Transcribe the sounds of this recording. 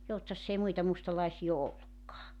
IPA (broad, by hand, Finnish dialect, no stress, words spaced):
joutsɑsː ei muitɑ mustɑlɑisiː o olːukːɑː